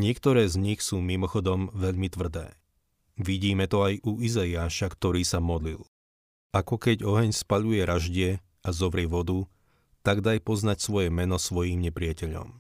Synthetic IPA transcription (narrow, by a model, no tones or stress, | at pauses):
ɲɪɛkt̪ɔɾɛːzɲixsuːmimɔxɔd̪ɔmʋɛʎmit̪ʋr̩d̪ɛ̰ː | ʋiɟiːmɛt̪ɔajuizaiaːʃakt̪ɔɾiːsamɔd̪lḭl | akɔkɛɟɔɦɛɲspaʎujɛɾaʒɟɪɛ | azɔʋɾɪɛʋɔd̪u | t̪aɡd̪ajpɔznacsʋɔjɛmɛnɔsʋɔjiːmɲɛpɾɪacɛʎɔ̰m